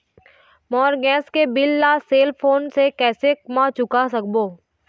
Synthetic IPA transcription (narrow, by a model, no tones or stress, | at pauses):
mɔːɾɡɛ̃ːskebɪlːaːseːlpʰoːnsekɛːsekmat͡ʃʊkasɐk̚boː